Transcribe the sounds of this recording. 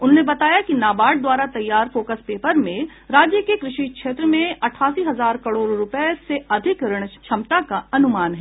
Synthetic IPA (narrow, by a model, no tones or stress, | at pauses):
ʊnɦoːnebɐt̪aːjakinaːbaːɽ̚d̪waːɾat̪ɐjːaːɾfoːkəspeːpəɾmẽ | ɾaːd͡ʒjəkekɾɪʃikʃeːt̪ɾəmẽɐʈʰaːsiɦɐzaːɾkɐɽoːɾɾʊpɛseɐd̪ʱɪkɾɪɽ̃ʃʰɐmt̪akaɐnʊmaːnɦɛ